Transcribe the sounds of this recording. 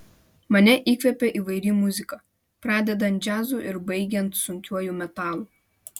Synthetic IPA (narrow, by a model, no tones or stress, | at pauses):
mɐnʲɛʔiːkʋʲɛpʲɛʔiːʋɐɪɾʲimʊzʲɪkɐ | pɾɑːd̪ʲɛd̪ɐnt̪̚d͡ʒʲæːzuʔɪɾbɐɪɡʲɛnt̪sʊŋʲkʲuɔjuːmʲɛt̪ɑːlˠuː